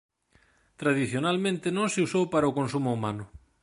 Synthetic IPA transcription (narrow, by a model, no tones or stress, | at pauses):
t̪ɾað̞iθjonalmẽnt̪enõŋseusowpaɾaʊkonsumʊumanʊ